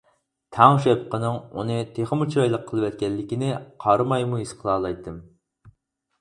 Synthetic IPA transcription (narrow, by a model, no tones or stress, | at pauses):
t̪ʰɑŋʃɛp̚qənɨŋṵnɨt̪ʰeχəmut͡ʃʰɾɑjlˠəqʰːəlˠɨwɛt̪̚kʲɛlːɪkʲinɪqʰɑɾɨmɑjmuisqʰəlˠɑːlˠɑjt̪ʰːɨm